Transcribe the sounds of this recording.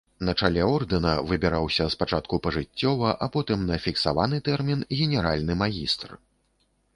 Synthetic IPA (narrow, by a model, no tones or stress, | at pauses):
nɐt͡ʂalʲɛɔrd̪ɨnɐvɨbʲɛɾawsʲɐspat͡ʂat̪̚kupɐʐɨt͡sʲːɔvɐʔapɔt̪ɨmnɐfʲiksavanɨt̪ɛrmʲinɣʲɛnʲɛɾalʲnɨmaɣʲist̪r